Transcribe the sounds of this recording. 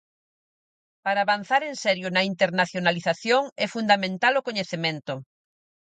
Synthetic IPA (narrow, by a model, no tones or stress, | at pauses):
paɾaːβan̟θaɾẽnsɛɾjʊnɐint̪eɾnaθjonaliθaθjoŋɛfund̪amẽnt̪alokoɲeθemẽnt̪ʊ